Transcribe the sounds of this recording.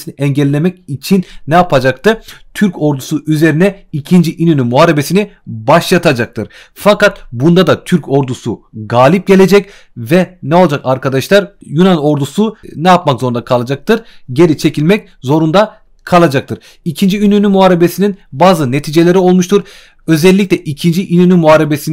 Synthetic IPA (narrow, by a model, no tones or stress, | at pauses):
siniʔɛɲɟɛlʲːemɛc̚it͡ʃʰinːɛjapʰad͡ʒak̚t̪ɯɾt̪ʰyɾco̞ɾd̪usuyze̞ɾinɛicʰind͡ʒiʔinynymuɦaːɾebesini | baʃjat̪ʰad͡ʒak̚t̪ʰɯɾ | fakat̪bund̪ad̪at̪ʰyɾco̞ɾd̪usuɡaːlʲip̚ɟe̞lʲe̞d͡ʒɛc | vɛnɛo̞lˠad͡ʒakaɾkad̪aʃlˠaɾjunano̞ɾd̪usunɛjapmakzoɾund̪akʰalˠad͡ʒak̚t̪ʰɯɾɟe̞ɾit͡ʃʰe̞cʰilʲmɛc̚ | zo̞ɾund̪a | kʰalˠad͡ʒak̚t̪ʰɯɾ̥ | icʰind͡ʒiinynymuaːɾe̞be̞sininbaːzɯne̞t̪ʰiːd͡ʒelʲe̞ɾio̞lˠmuʃt̪ʰuɾ | ø̞zɛlʲːic̚lʲɛʔicʰind͡ʒiʔinynymuɦaːɾe̞besin